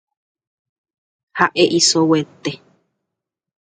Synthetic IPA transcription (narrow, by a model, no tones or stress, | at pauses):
haʔeʔisowet̪e